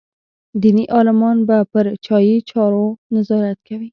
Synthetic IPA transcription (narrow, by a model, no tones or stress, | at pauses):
d̪iniʔɑlɪmɑnbapəɾt͡ʃɑjit͡ʃɑɾonazɑɾat̪̚kawi